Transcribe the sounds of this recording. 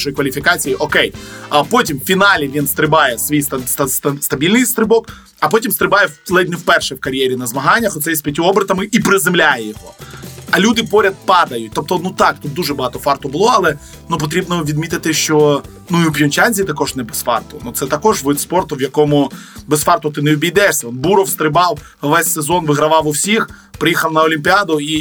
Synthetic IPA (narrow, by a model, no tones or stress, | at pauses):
ʃɔjkʋɐlʲifʲikɑt͡sʲijiʔɔkɛjɐpɔtʲimfʲinɑlʲiʋʲinst̪ɾɪbɑjɛsʋʲijst̪ɐɐsst̪ɐbʲilʲnɪjst̪ɾɪbɔk | ɐpɔtʲimst̪ɾɪbɑjɛlˠɛdʲnɪwpɛrʃɛwkɐɾʲjɛɾʲinɐzmɐɦɑnʲːɐxɔt̪sɛjɛsʲpʲjɐtʲuɔbɾɪt̪ɐmɪʔipɾɪzɪmlʲajɛjɔɦɔɐlʲud̪ɪpɔɾʲɐd̪̚pɑd̪ɐjʊt̚ʲt̪ɔp̚t̪ɔnut̪ɑk̚t̪ut̪̚d̪uʐɛbɐɦɑt̪ɔfɑrt̪ʊbʊlˠɔɐlˠɛ | nup̬ɔt̪ɾʲibnɔʋʲid̪mʲit̪ɪt̪ɪʃt͡ʃɔ | nuiʊpʲjɔnʲt͡ʃanʲzʲit̪ɐkɔʒnɛbesfɑ̰rt̪ʊnut̪sɛt̪ɐkɔʒʋɪspɔrt̪ʊwjɐkɔmʊbesfɑrt̪ʊt̪ɪnɛʊbʲijd̪ɛʃsʲɐɔnbuɾɔwst̪ɾɪbɑw | ʋɛsʲsezɔnʋɪɦɾɐʋɑwʊwsʲix | pɾɪjixɐwnɐɔlʲimʲpʲiad̪ʊi